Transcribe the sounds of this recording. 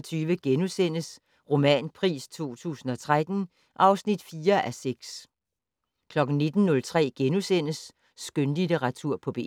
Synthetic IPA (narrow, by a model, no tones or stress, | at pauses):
t͡sʰyːʋəɡ̥enusen̰əs | ʁo̝mɛ̰ːnpʰʁḭːst͡sʰo̝̰ːt͡sʰṵːsn̩ɒ̽t͡sʰʁad̥n̩ | ʔɑ̈ʊsnid̥fiːɐʔæseɡ̥s | kʰlɒ̽ɡ̥n̩ne̝d̥n̩ːɔ̽lt͡sʰʁɛ̰ːɡ̥enusen̰əsː | ɡ̥ønlideʁɑ̈t͡sʰuɐ̰pʰɒ̽b̥e̝̰ː